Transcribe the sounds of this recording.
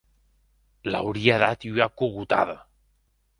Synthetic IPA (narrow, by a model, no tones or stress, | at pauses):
la̰wɾiaðat̪iwakuɣut̪a̰ða